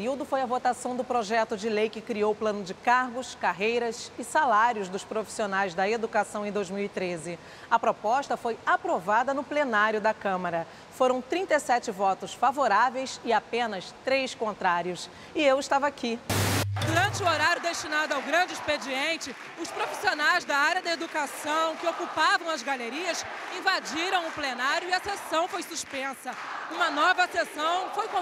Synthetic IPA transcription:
ɾiwd̪ʊfojɐvot̪asɐ̃w̃d̪ʊpɾoʒɛt̪ʊd͡ʒɪlejkɪkɾiowplɐ̃nʊd͡ʒɪkaɾɡʊskaɦejɾɐzɪsalaɾjʊzd̪ʊspɾofi̥sionajzd̪ɐed̪ukasɐ̃w̃ẽj̃d̪ojzmiwit̪ɾezɪ | ɐpɾopɔʃt̪ɐfojapɾovad̪ɐnʊplenaɾjʊd̪ɐkɐ̃mɐɾɐ | foɾɐ̃w̃t̪ɾĩnt̪esɛt͡ʃɪvɔt̪ʊsfavoɾavejsɪapẽnɐst̪ɾejskõnt̪ɾaɾjʊs | ɪewɪʃt̪avɐakid̪uɾɐ̃nt͡ʃɪʊoɾaɾjʊd̪est͡ʃinad̪ʊawɡɾɐ̃d͡ʒɪisped͡ʒiẽnt͡ʃɪ | ʊspɾofi̥sionajzd̪ɐaɾjɐd̪ɐed̪ukasɐ̃w̃kɪokupavɐ̃w̃ɐzɡaleɾiɐs | ĩvad͡ʒiɾɐ̃w̃ʊplenaɾjʊɪɐsesɐ̃w̃fojsuspẽsɐũmɐnɔvɐsesɐ̃w̃fojkõ

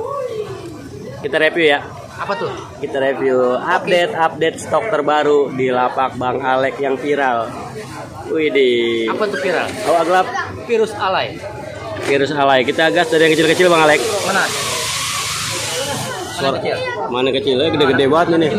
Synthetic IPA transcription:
kit̪aɾepjuja | apat̪ʊ | kit̪aɾepjuap̚det̪ap̚det̪̚st̪ɔk̚t̪ərbaɾudilapak̚baŋalɛkjaŋfiɾal | uidiapat̪ʊfiɾaloaɡlap̚ | fiɾʊsalai | fiɾʊsalaikit̪aːɡasdaɾijaŋkət͡ʃɪlkət͡ʃɪlbaŋalɛk̚ana | ɔil | manakət͡ʃilaɡədɛɡədɛbaat̪̚manɪ

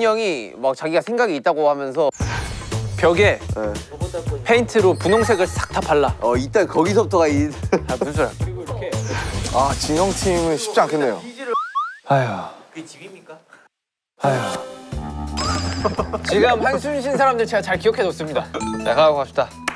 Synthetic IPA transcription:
ɲʌŋimak̚t͡ɕaɡiɡasʰe̞ŋɡaɡiːt̚t͈aɡohamjʌnsʰʌ | pjʌɡe̞e | pʰeintʰɯɾopunoŋsʰe̞ɡɯɭs͈ʰak̚tʰap͈aɭːaʌit͈ankʌɡisʰʌp̚t͈ʌɡaipusʰjo | at͡ɕiʌŋtʰimɯnɕʰi̥p̚t͡ɕ͈aŋkʰenːe̞jo̰ | aja | aj | t͡ɕiɡɯmhansʰuɲɕ̬ʰinsʰaɾamdɯɭt͡ɕe̞ɡat͡ɕaɭkiʌkʰed͡ʑos͈ɯmɲidanaɡaaɡoapɕ͈da

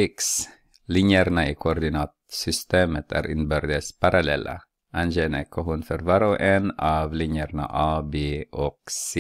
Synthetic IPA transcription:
ɪks | lɪnjəɾnaikʰɔɔɾd̪ɪnɑːt̪sʏst̪eːmət̪ʰæ̰ɾʔɪnbœɾd̪əspʰaɾʔalɛlːʔa̰ | ʔand͡ʒɛnɛkʰːɔɦʊnfœɾvɑɾɔʔɛnɑvlɪɲjəɾna̰ʔɑːbeːɔks

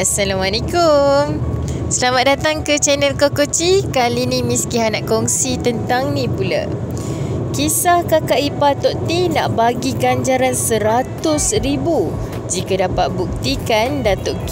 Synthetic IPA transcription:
asalamalekʊm | səlamat̪̚dat̪aŋkət͡ʃɛnəlkokot͡ʃikalinĩmiskiɦanaʔkɔŋsit̪ənt̪aŋnĩpula̰ | kisahkakaʔipat̪ɔʔt̪ina̰ʔbaɡiɡaɲd͡ʒaɾansəɾat̪ʊsɾibu | d͡ʒikadapat̪̚buk̚t̪ikandat̪ɔʔk

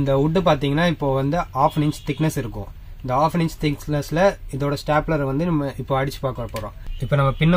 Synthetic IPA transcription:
nd̪ɐʊʈːɯpaːɾt̪iːŋɡɐnːaːɪpːoːʋɐnd̪ɯʔaːfnɪɲst̪ɪknɐsɪɾɯkːʊ̰̃ | ɪnd̪ɐaːfnɪnst̪ɪknɐsɪlɐɪðoːɽɐsʈaːplɐɾʋɐnd̪ɯnɐmːɐɪpːoːɐɽɪt͡ʃːɯ̥paːkɐɐpoːɾõ̰ːɪpːoːnɐmːɐpɪnːɐ

